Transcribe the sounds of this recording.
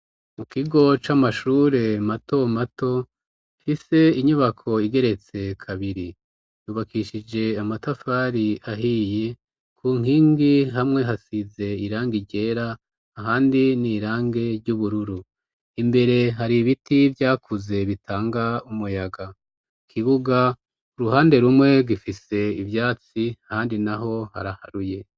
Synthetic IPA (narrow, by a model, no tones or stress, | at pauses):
mukiɡo̞t͡ʃamaʃuːɾe̞mato̞mato̞ | fise̞iɲuβakʰo̞iɡe̞ɾe̞t͡se̞kʰaβiɾi | juːβakiʃid͡ʒe̞amatafaɾiaɦije̞ | kʰuːŋ̥iːŋɡiɦamŋe̞ɦasize̞iɾaːŋɡiɟe̞ːɾaː | ɦaːndiniɾaːŋɡe̞ɾɟuβuɾuɾu | imbe̞ɾe̞ɦaɾiβitivjaːkuze̞βitʰaːŋɡaumujaɡa | kʰiβuɡa | uɾuɦaːnde̞ɾumŋe̞ɡifise̞ivjaːt͡siahaːndinaɦo̞ha̰ɾahaɾuje̞